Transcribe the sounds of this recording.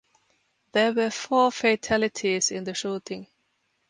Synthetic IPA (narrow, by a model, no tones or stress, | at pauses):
ðəwə˞fɔːɹfeɪtʰælɪtʰizɪ̃nðɨʃuːtʰɪ̃ŋ